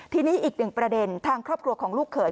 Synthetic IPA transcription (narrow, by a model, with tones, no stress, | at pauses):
t̪ʰiː˧niː˦˥ʔiː˨˩k̚nɯ˨˩ŋpɾa˧de˧nt̪ʰaː˧ŋkʰɾɔː˥˩p̚kʰɾu˧ɐkʰɔː˩˦ŋluː˥˩kʰːɤː˩˦